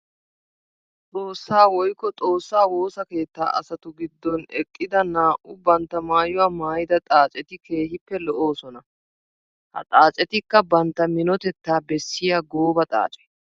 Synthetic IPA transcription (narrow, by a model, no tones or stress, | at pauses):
t͡sʼoːsːaːwɔjkːɔt͡sʼo̞ːsːaːwo̞ːsɐke̞ːt̪ːa̰ːʔɐ̰sɐt̪ʊɡɪd̪ːɔnɛkʼːɪd̪ɐnaːʔʊbɐnt̪ːɐmaːjʊwaːmaːjɪd̪ɐt̪ʼaːt͡ʃʼɛt̪ɪkʰe̞ːɦɪpːɛlɔʔoːsɔnɐ | hɐ̰t̪ʼaːt͡ʃʼɛt̪ɪkːɐbɐnt̪ːɐmɪnɔt̪ɛt̪ːaːbɛsːɪjaɡoːbɐt̪ʼa̰ːt͡ʃʼɛ̥